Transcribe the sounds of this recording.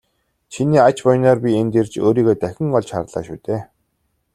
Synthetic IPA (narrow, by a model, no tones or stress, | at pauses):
t͡ɕʰiniːat͡ɕpɔjnɔːrpʲient̪ert͡ɕoːɾiːɣoːt̪æxʲɪ̆ŋɢɔɮt͡ɕχa̰rɮa̰ːʃuːt̪eː